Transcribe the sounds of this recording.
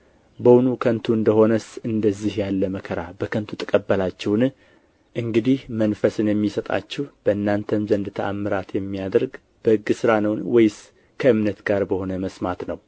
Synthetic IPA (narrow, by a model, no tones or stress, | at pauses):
bəwnukʰənt̪ʰuɨnd̪əho̞nəsɨnd̪əzːihjalːəməkʰəɾabəkʰənt̪ʰut̪ʼə̥kʼəbːəlat͡ʃːɛwn | ʔɨŋɡɨd̪ihmənfəsɨnjɛmːisət̪ʼa̰t͡ʃːɛhb̥əɨnːant̪ʰəmzənd̪ɨt̪ʰəʔamːɨɾat̪jɛmːijad̪ɾɡ | b̥əhɨɡːɨsɨɾanəwnwɔjɪs | kʰəɨmnət̪ɡaɾbəho̞nəməsmat̪nəw